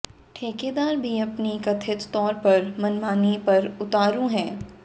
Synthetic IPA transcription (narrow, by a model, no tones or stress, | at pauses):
ʈʰeːkeːd̪aːɾbʱiɐpnikɐt̪ʰɪt̪t̪ɔːɾpɐɾmɐnmaːnipɐɾʊt̪aːɾũɦɛ̃ː